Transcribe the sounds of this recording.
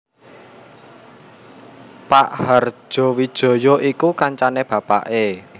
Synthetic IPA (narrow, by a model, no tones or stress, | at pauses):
paʔhər̥ʒ̥ɔ̤wi̥ʒ̥ɔ̤jɔʔikukaɲt͡ʃaneb̥ä̤pa̰ʔe